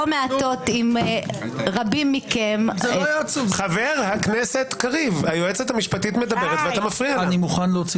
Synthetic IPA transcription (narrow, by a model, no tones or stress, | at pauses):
meat̪o̞t̪im | ʁabimːikemzt͡suχaveʁhakneset̪kaʁivhajoet͡set̪hamiʃpat̪it̪me̞d̪abeʁet̪veat̪amafʁiaanimuχanlot͡si